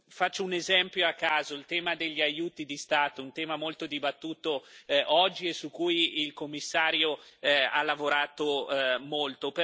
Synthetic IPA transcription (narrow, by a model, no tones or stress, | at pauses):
fat͡ʃːounezɛmpjoakːaːzoilt̪ɛːmad̪eʎːiajuːt̪id̪ist̪aːt̪ount̪ɛːmamolt̪od̪ibat̪ːuːt̪oʔɔd͡ʒːiesukːuːjilkomːisːaːɾjoa̰lavoɾaːt̪omolt̪ope